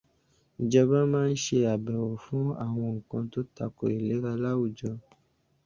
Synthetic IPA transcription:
d͡ʒɔ˧bã˦mãː˦n̩˦ʃe˧a˨bɛ˨wo˨fũ˦a̰˦˨w̃ɔ̃˧ŋ̩˨kɔ̃˧to˦ta˨ko˨e˨le˨˦ɾa˧la˦wu˨d͡ʒɔ˧

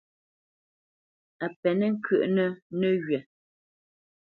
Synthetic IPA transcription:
a˨pɛ˨nɛ˦ŋ̩˦kʰɥə˦˨ʔnə˦nə˦ɣɥɛ˨

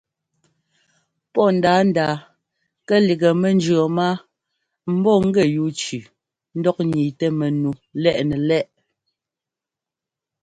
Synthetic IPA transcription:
pɔ˦˨n̩˨daː˨˦n̩˦da˨ | kɛ˦li˨ɡə˨mɛ˨n˦d͡ʒɰə˨ma˦ | m̩˦bɔ˦˨ŋ̩˦ɡɛ˦˨ju˦t͡ʃʉ˨ | n̩˦dɔ˦k̚ɲi˨tɛ˦mɛ˨nu˨lɛ˦˨ʔnɛ˨lɛ˦ʔ

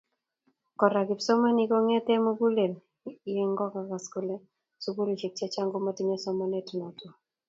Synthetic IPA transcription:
kɔ˨ɾa˨ɡɪ˨psɔ˦ma˦ni˦ko˦ŋɛ˦tɛ˦mo˦ɡu˦le˨l | i˨˦e˦ŋɡɔ˦ka˨ka˨sko˦le˦ | su˦ɡu˦ɾi˨t͡ʃi˨k̚t͡ʃɛ˦t͡ʃa˦ŋɡo˦ma˦ti˦ɲe˦sɔ˦mɔ˦ne˦tu˨nɔ˨twɔ˨

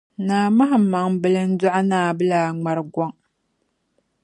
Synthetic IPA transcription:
naː˨ma˦ɦa˨m̩˦ma˨ŋbɨ˦lɨ˦n̩˦dʊ˦ʔa˦naː˦˨bɨ˦laː˨ŋ͡ma˨ɾɨ˨ɡɔ˦ŋ

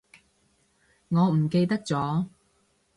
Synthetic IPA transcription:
ŋɔː˨˧m̩˨˩ke˧jt̪ɐ˥k̚t͡sɔː˨˥

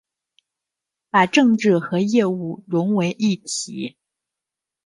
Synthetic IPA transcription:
pa˨˩ʈ͡ʂɤ˥˧ŋʈ͡ʂɻ̩˥˩xɤ˧˥jɛ˥˧u˥˩ɻʊ˧˥ŋwe˧˥ɪʔi˥˩t̪ʰi˨˩˦

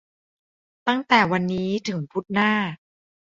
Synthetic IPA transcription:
t̪a˥˩ŋt̪ɛː˨˩wa˧nːiː˦˥t̪ʰɯ˩˦ŋpʰu˦˥t̪̚naː˥˩

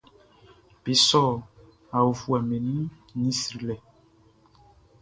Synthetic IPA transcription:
b̥e˨sɔ˦˨ | a˨u˨vu˨a˨mɛ˨nĩ˦ | nĩ˦sɾi˨lɛ˨

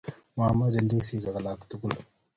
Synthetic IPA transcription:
mama˦d͡ʒɐndi˦si˦ka˨ka˨lakt̪u˦ku˦l

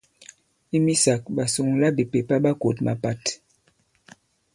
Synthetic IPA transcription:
i˦mi˦sa˨k̚ɓa˨su˨ŋla˦bi˨pe˨pa˦ɓa˦ko˨tma̰˨pa˦t

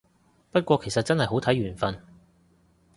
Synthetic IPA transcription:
pɐ˥t̚kʷɔː˧kʰe˨˩jsɐ˨t̚t͡sɐ˥nhɐ˨jɦo˨˥wt̪ʰɐ˨˥jɥyː˨˩nfɐ˧n

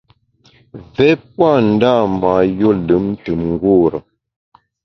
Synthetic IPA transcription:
vɛ˦p̚wa˦˨n̩˨da˦˨ma˨jo˦lɨ˨˦mn˦tɨ˨mŋ˦ɡu˦ɾə˨

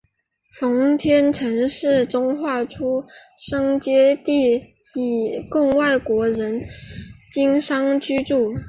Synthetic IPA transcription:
fɑ˧˥ŋt̪ʰjɛ˥nʈ͡ʂʰɤ˧˥ŋʂɻ̩˥˩ʈ͡ʂʊ˥ŋxwa˥˩ʈ͡ʂʰu˥ʂɑ˥ŋt͡ɕjɛ˥t̪i˥˩ | i˨˩kʊ˥˧ŋwa˥˩ɪkwɔ˧˥ɻə˧˥n | t͡ɕi˥ŋʂɑ˥ŋt͡ɕy˥ʈ͡ʂu˥˩

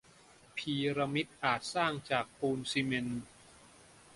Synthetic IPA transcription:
pʰiː˧ɾa˧mi˦˥t̪̚ʔaː˨˩t̪̚saː˥˩ŋt͡ɕaː˨˩k̚puː˧nsi˧me˧n

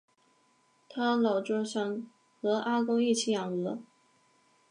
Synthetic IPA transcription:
t̪ʰa˥lɑ˨˩ʊʈ͡ʂɻɤ˥˧ɕjɑ˥˩ŋ | xɤ˧˥ʔa˥kʊ˥ŋi˥˩t͡ɕʰi˧˥jɑ˨˩ŋɤ˧˥

